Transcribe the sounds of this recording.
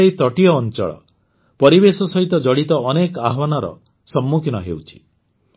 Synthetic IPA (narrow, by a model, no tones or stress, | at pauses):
ejt̪ɔʈiɔːnt͡ʃɔ̰ɭɔ̰ | pɔɾibesɔsɔɦit̪ɔd͡ʒɔɽit̪ɔːnekaɦwanaɾɔ̰ | sɔmːukʰinɔɦewt͡ʃʰi̥